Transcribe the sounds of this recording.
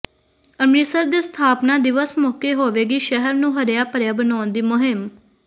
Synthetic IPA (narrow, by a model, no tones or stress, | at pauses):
əmniːsəɾd̪eːst̪ʰaːpnaːd̪ɪʋəsmoːkeːɦoːʋeːɡiːʃəɦəɾnũːɦəɾjaːpəɾjaːbənaːnd̪iːmʊɦɪm